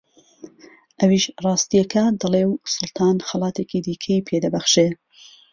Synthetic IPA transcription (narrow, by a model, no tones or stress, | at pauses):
ʔɐwiːʃrˤɑːst̪ijɐkʰɐd̪ɨlewsʊlt̪ʰɑːnxɐlˠɑːt̪ʰeːkid̪iːkʰɐjipʰed̪ɐbɐxʃe